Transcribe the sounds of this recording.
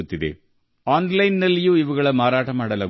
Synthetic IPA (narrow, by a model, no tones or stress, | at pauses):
ut̪ːid̪ḛ | aːnlɐjnːɐlːijuiʋɐɣɐɭɐmaːɾaːʈɐmaːɽɐlɐ